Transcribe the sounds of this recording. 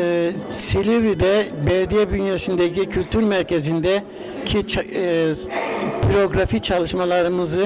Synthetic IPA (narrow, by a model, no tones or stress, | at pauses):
silʲivɾid̪ɛbɛɾd̪ijɛbynjasind̪ecʰicʰylʲt̪ʰyɾmæɾce̞zind̪ɛ | cʰit͡ʃ | biɾo̞ɡɾafit͡ʃʰalˠɯʃmalˠaɾɯmɯzɯ